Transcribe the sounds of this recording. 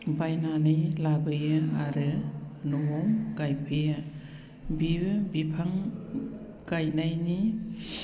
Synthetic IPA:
bajnanɯjlabɯjɯaɾɯnuŋɔmɡajpʰɯjɯ | bibɯbipʰaŋ | ɡajnajni

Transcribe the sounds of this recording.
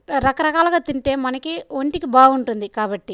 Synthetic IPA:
ɾɐkɐɾɐkaːlɐɡaːt̪iɳʈe̞ːmɐnɐkiʋoɳʈikibaːɡuɳʈund̪ikaːbɐʈːi

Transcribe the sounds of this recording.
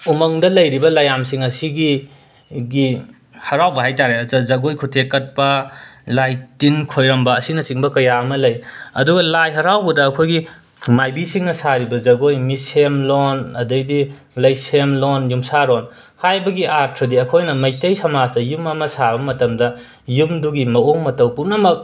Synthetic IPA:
umɐŋdɐlɐjɾibɐlɐjamsiŋɐsiɡi | ɡi | hɐɾawbɐɦajtaɾeɐzɐzɐɡojkʰutʰekɐt̚pɐlajtinkʰojɾɐmbɐːsinɐsiŋbɐkɐjaɐmɐlɐjɐduɡɐlajɦɐɾawbɐdɐːkʰojɡi | majbisiŋnɐsaɾibɐzɐɡojmisemlonɐdɐjdi | lɐjsemlonjumsaɾon | hajbɐɡiʔaɾtʰɔdiɐkʰojnɐmɐjtɐjsɐmazɐjumɐmɐsabɐmɐtɐmdɐ | jumduɡimɐoŋmɐtɐwpunɐmɐk̚

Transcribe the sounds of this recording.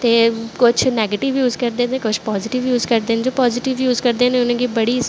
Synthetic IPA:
t̪eːkʊt͡ʃʰnɛːɡeːʈɪʋjuːzkəɾd̪eːnẽːkʊt͡ʃʰpɔːzɪʈɪʋjuːzkəɾd̪eːned͡ʒoːpɔːzɪʈɪʋjuːzkəɾd̪eːneːʊnãːɡiːbəɽiː

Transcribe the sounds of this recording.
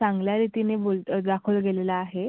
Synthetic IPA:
t͡sãŋɡljaɾit̪inebold̪akʰuːlɡelelaːɦe

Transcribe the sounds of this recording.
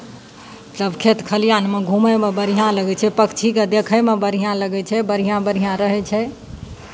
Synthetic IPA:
mət̪ləbkʰet̪kʰəlijanmeɡʱũməjmebəɾijãləɡɛt͡ʃʰɛpəkt͡ʃʰiked̪ekʰəjmebəɾijãləɡɛt͡ʃʰɛbəɾ̤ijãbəɾ̤ijãɾəɦɛt͡ʃʰɛ

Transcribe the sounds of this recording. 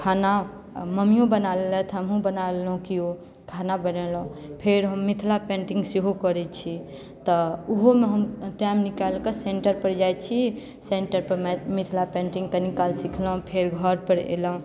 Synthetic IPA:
kʰana | məmijõbənalelɛt̪ʰəmɦũbənalelɦũkio | kʰanabənelũpʰeɾɦəmːit̪ʰlapẽɳʈiŋɡsiɦokəɾɛt͡ʃʰi | t̪ɔuɦomeɦəmʈamnikalkeseɳʈəɾpəɾd͡ʒajt͡ʃʰi | seɳʈəɾpəɾmɛmit̪ʰlapẽɳʈĩŋɡkənikalsikʰləɦũpʰeɾɡʱəɾpəɾḛləɦũ

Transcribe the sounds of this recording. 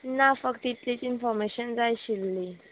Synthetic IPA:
nafəkt̪it̪lit͡sinfɔɾmeɕənd͡zajɕilːi

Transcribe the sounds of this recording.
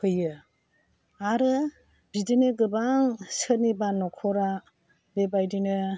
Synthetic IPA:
hʰɯjɯ | aɾɯ | bideneɡɯbaŋsɯnibanɔkʰɔɾa | bebajdinɯ

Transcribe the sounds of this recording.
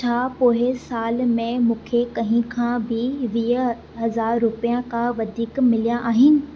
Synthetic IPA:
t͡ɕʰaːpoːɦɪsaːlmẽmũːkʰekɐ̃ɦɪ̃kʰãbɪʋiːɦ | ɦɐzaːɾːʊpijãkʰãʋɐd̪ʱiːkmɪlijãʔaːɦɪnɪ̆

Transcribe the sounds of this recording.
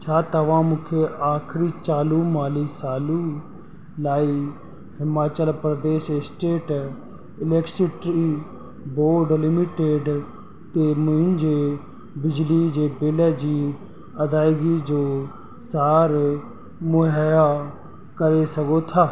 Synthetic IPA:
t͡ʃʰaːt̪əʋãːmʊkʰeaːkʰɾiːt͡ʃaːluːmaːliːsaːluː | laːi | hɪmaːt͡ʃəlpɾəd̪eːʃɪsʈeːʈ | ɪlɛksiʈɾiː | boːɾɖlɪmɪʈeːɖ | t̪eːmʊɪ̃nd͡ʒeː | bɪd͡ʒlid͡ʒeːbɪleːd͡ʒiː | ɐd̪aːɪɡid͡ʒoː | saːɾ | mʊɦja | kəɾesɐɡot̪ʰaː

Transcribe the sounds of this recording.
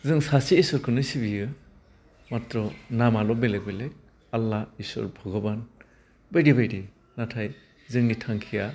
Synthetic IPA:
zɯŋsasiːsɔɾkʰɯnɯsibijɯ | matɾɔnamalɔbelek̚belek̚ | alːaisɔ̰ɾbʱɔɡɔban | bajɾibajdi | natʰaj | zɯŋnitʰaŋkʰija

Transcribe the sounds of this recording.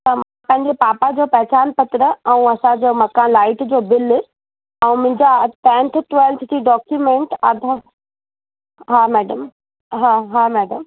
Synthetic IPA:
t̪ɐmãpɐ̃ɦɪ̃ɲd͡ʑepaːpad͡ʑoːpɐɦt͡ɕaːnpɐt̪ɾəɛ̃ũɐsãd͡ʑoːmɐkãːlaːɪʈd͡ʑoːbɪl | ɛ̃ũmʊ̃ɦɪ̃ɲd͡ʑat̪ɛ̃ːnt̪ʰʈʋɛlt̪ʰd͡ʑiːɖɔːkjumẽɳʈaːd̪ʱə | ɦamɛːɖəm | ɦaɦamɛːɖəm

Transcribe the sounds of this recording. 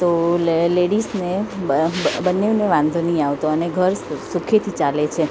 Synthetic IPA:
t̪oleɽisne | bənːeʋneʋãnd̪ʱoniaʋt̪oəneɡʱəɾsukʰet̪ʰit͡ʃalet͡ʃʰe

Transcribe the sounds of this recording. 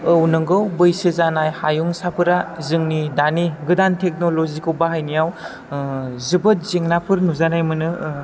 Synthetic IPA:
ɯwnɯŋɡɯwbɯjsɯzanajhajuŋsapʰɯɾazɯŋnidaniɡɯdantʰek̚nolozikʰɯwbaɦajnijaw | zɯbɯt̚zeŋnapʰɯɾnuzanajmɯnɯ

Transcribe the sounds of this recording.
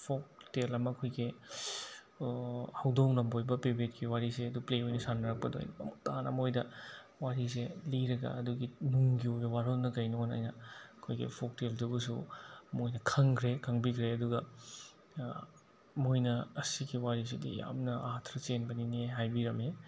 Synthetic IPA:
pʰok̚telɐmɐːkʰojɡi | hɐwdoŋlɐmbojbɐpebetkiwaɾiseɐdupleojnɐsanɐɾɐk̚pɐdo̰j̰nɐmutanɐ̰mojdɐ | waɾis̬eliɾɐɡɐ̰ɐduɡinuŋɡioɡɐwaɾonɐkɐjnona̰jnɐɐkʰojɡḭpʰok̚teldubusṵmojnɐkʰɐŋkʰɾekʰɐŋbikʰɾeɐduɡɐ | mojnɐɐsiɡiwaɾis̬idḭja̰mnɐatʰɾɐt͡ʃenbɐnineɦajbiɾɐme

